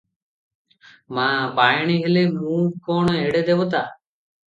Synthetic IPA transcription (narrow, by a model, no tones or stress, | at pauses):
mãːbaːjɳiːɦeleːmũːkoːɳeːɽeːd̪eːboːt̪aː